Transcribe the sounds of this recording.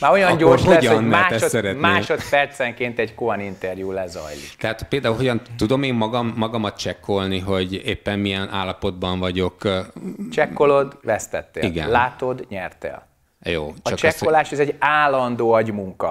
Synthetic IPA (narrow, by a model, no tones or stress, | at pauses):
maːɾo̞jɒnɟorʃɦoɛɟɒonːmɛːʃɛotsɛɾɛtmeːʃot̪pɛrt̪sɛŋkeːnt̪ɛɟkoɒnint̪ɛrjuːlɛzɒ̰jlḭt̪ɛɦaːt̪peːld̪aːulɦoɟɒnt̪ud̪o̞meːmːɒɡɒmːɒɡɒmɒt̪̚t͡ʃɛkːo̞lniɦo̞ɟeːpːɛnːmijɛnʔa̰ːlːɒpo̞d̪̚bɒɱvɒɟo̞k | t͡ʃɛkːo̞lod̪ʋɛst̪ɛt̪ːḛːliɡɛ̰nːaːt̪o̞d̪ɲɛrt̪ḛːl | jo̰ːt͡ʃɒɒkt͡ʃɛskːolaːʃɛzɛɟaːlɒnd̪oːɒɟmuŋkɒ